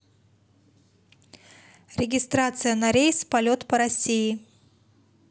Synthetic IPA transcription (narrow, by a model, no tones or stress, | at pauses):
ɾʲɪɡʲɪst̪ɾat̪sɨjənɐɾʲejspɐlʲo̞t̪pəɾɐsʲijɪ